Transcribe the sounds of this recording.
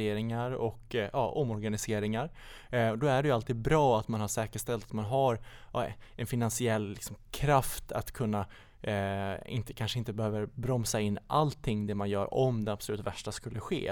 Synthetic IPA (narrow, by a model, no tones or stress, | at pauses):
eːɾɪŋaɾɔkjɑ̰ːʔɔmːɔɾɡanɪseːɾɪŋaɾ | d̪ɔæɖɛjʏalt̪ʰiːd̪̚bɾɑːat̪manhaʂɛːkəʂt̪ɛlt̪at̪manɦaɾ | ɛnfɪnansɪɛlːɪ̰ksɔmkʰɾaft̪ʰa̰t̪kʰɵnːa | ɪ̰nt̪əkʰanʂəɪnt̪əbɛhøːvəɾbɾɔmsaɪnːʔalt̪ʰːɪŋːd̪ɛmanjœ̰ːɾɔ̰md̪ɛnabsɔlʉ̟ːt̪væʂʈaskɵlːəɧḛː